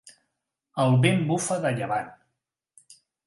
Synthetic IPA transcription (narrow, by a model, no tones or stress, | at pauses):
əlˠβembufəðəʎəβan